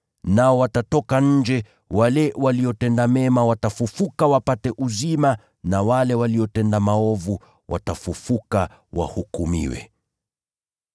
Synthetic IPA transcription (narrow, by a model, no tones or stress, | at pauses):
naɔwatatɔkaɲ̩d͡ʒɛ | walɛwaliɔtɛndamɛmawatafufukawapatɛʔuzima | nawalɛwaliɔtɛndamaɔvu | wa̰tafufuka | wa̰hukumḭwɛ̰